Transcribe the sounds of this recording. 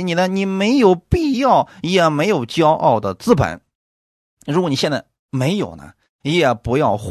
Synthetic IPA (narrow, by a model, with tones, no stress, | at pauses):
ni˨˩nə˦ni˨˩me˧˥ɪjo˨˩ʊpi˥˧jɑ˥˩ʊ˧˩jɛ˨˩me˧˥ɪjo˨˩ʊt͡ɕjɑ˥ʊʔɑ̰˥˩ʊd̪ə˩t͡sɹ̩˥˩pə̰˧˩˦n | ɻu˧˥kwɔ˧˥ni˨˩ɕjɛ˥˧nt͡sa˥˩ɪ | me˧˥ɪjo˨˩ʊnə̰˦ | i˧˥jɛ˨˩pu˧˥jɑ˥˧ʊx